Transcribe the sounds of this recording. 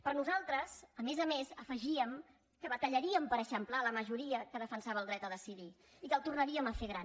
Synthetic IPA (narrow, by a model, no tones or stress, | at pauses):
pəɾnuzalˠt̪ɾəzəmezəmezəfəʒiəm | kəβət̪əʎəɾiəmpəɾəʃəmplaləməʒuɾiəkəðəfənsaβəlˠd̪ɾɛt̪əðəsiði | ikəlˠt̪urnəɾiəməfeɣɾan